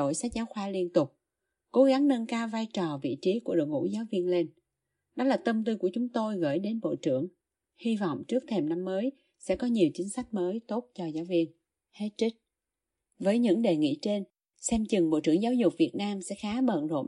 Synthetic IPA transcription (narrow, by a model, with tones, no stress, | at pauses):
o̰˧˩jsa˦˥k̚zaː˨˦wxwaː˧˦li˧ənt̪ʊ˨˩k͡p̚ | ko˨˦ɣa˨˦ŋnə˧nkaː˧wvaː˧jt͡ɕɔ˨˩vḭ˧˨t͡ɕi˨˦ku˧˩əɗɨ̰˨˩ŋṵ˧˥zaː˨˦wvi˧ənle˧n | ɗɔ˨˦laː˨˩t̪ə˧mt̪i˧ku˧˩ət͡ɕʊ˨˦ŋ͡mt̪o˧jɣə̰ː˧˩jɗe˨˦nɓo̰˧˨t͡ɕɨ˧˩əŋ | hi˧vɔ̰˧˨wŋ͡mt͡ɕɨ˦˥ək̚t̪ʰe˧˩mna˧mːəː˨˦j | sɛ̰˧˥kɔ˨˦ɲi˨˩əwt͡ɕï˨˦ŋ̟sa˦˥jk̟̚məː˨˦jt̪o˦˥t̚t͡ɕɔ˧zaː˨˦wvi˧ən | he˦˥t̚t͡ɕï˦˥k̚ | vəː˨˦jɲɨ̰˧˥ŋɗe˨˩ŋḭ˧˥˨t͡ɕe˧n | sɛ˧mt͡ɕɨ˨˩ŋɓo̰˧˨t͡ɕɨ̰˧˩əŋzaː˨˦wzʊ˨˩k͡p̚vi˨˩ət̚naː˧msɛ̰˧˥xaː˨˦ɓə̰˧˨nzo̰˧˨m